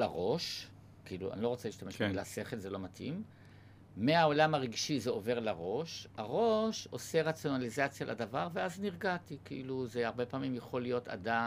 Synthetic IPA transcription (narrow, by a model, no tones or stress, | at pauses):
laʁo̞ʃ | kiilṵa̰nilo̞ʁot͡seliʃt̪ameʃbmilase̞χe̞lzelo̞matḭmː | eao̞lamaʁeɡʃizeo̞ve̞ʁlaʁo̞ʃaʁo̞ʃo̞se̞ʁat͡sjo̞nalizat͡sjalʔa̰d̪avaʁveazniʁɡatikiʔiluzeaʁbe̞paːmimjaχo̞lijo̞ta̰da